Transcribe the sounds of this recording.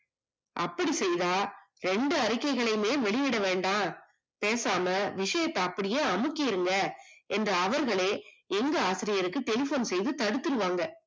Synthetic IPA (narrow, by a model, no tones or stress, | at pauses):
ʔɐpːɐɽisɛjðaː | ɾɛɳɖɯɐɾɪkːɐɪɣɐɭɐɪmeːʋɛɭɪʋɪɽɐʋeːɳɖãː | peːsaːmɐʋɪʂɐjɐt̪ːɐɐpːɐɽɪjeːɐmɯkːɪjɪɾɯŋɡɐɛndrɐːʋɐɾɣɐɭeːɛŋɡɐaːsɪɾɪjɐɾɯkːɯʈɛlɪfoːnsɛjðɯt̪ɐɽɯt̪ːɯɾɯʋaːŋɡɐ